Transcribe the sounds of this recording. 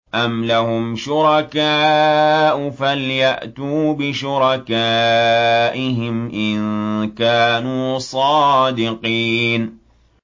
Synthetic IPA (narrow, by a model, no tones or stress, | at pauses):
ʔamlahʊmʃʊɾˤɑkaːʔʊfaljaʔt̪uːbɪʃʊɾˤɑkaː | ʔɪɦɪmʔɪnkaːnuːsˤɑːd̪ɪqiːn